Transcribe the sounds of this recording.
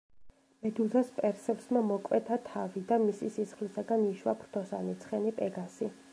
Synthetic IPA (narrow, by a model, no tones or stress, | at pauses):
mɛd̪uzaspʼɛɾsɛpsmamɔkʼwɛt̪ʰat̪ʰavid̪amisisisχlisaɡaniʃwa̰pʰɾt̪ʰɔsa̰nit̪sʰχɛnipʼɛɡasi